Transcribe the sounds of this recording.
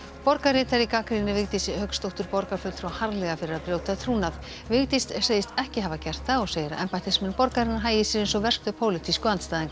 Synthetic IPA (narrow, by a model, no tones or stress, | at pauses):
pɔɾkarɪːt̪aɾikaːkɾinːɪvɪɣt̪isɪhœkst̪owht̪ʏɾpɔɾkafʏlfɾ̥ahaɾlɛɣafɪɾɪɾaðpɾjoːwt̪at̪ʰɾuːnað | vɪɣt̪ɪst̪sejɪst̪ɛhcɪɦavacɛr̥t̪θaɔɣseːjɾaʔɛmpat̪ʰɪsmɛnpɔɾkaɾɪnːaɦaːjɪsɪɾensɔɣvɛr̥kt̪ʏpʰoːwlɪt̪ʰiskʏant̪st̪aːðiŋk